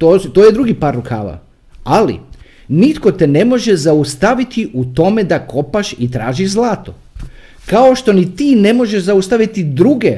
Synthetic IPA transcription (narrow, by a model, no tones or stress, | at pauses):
t̪ot̪oːjed̪ɾuɡipaɾukʰa̰ːʋa̰ | alḭ | nit̪ko̞t̪ene̞mo̞ʒezaust̪aʋit̪iʔut̪o̞me̞d̪ako̞paʃit̪ɾaːʒiʒzlˠaːt̪o | kao̞ʃt̪o̞nit̪iːne̞mo̞ʒeʃzaust̪aʋit̪id̪ɾuɡe